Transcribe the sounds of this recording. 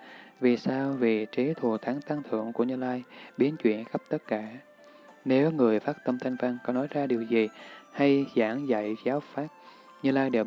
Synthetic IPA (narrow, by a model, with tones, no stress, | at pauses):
vi˨˩saː˧wvi˨˩t͡ɕi˨˦t̪ʰu˨˩t̪ʰaː˨˦ŋt̪a˧ŋt̪ʰɨ̰˧˨əŋku˧˩əɲɨː˧laː˧jɓi˨˦ənt͡ɕwḭ˧˨ənxə˦˥p̚t̪ə˦˥t̚kaː˧˩ | ne˨˦wŋɨ˨˩əjfaː˦˥t̚t̪ə˧mt̪ʰa˧jŋ̟vaː˧ŋkɔ˨˦nɔ˨˦jzaː˧ɗi˨˩əwzi˨˩ha˧jzaː˧˩ŋza̰˧˨jzaː˨˦wfaː˦˥t̚ | ɲɨ˧laː˧jɗe˨˩